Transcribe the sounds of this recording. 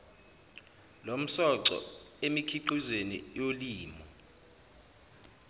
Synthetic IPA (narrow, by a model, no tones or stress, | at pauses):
lom̩sɔǀɔ̰emikʰiǃuzenḭjoliːmɔ